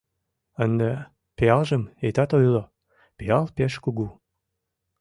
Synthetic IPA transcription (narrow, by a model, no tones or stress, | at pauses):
ənd̪e | peɑlʒəmet̪ɑt̪ojlo | peɑlpeʃkuɣu